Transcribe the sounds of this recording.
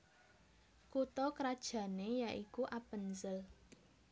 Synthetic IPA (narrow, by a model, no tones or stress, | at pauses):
kut̪ɔkɾad̥ʒ̥ä̤nejaʔikuʔapənzəl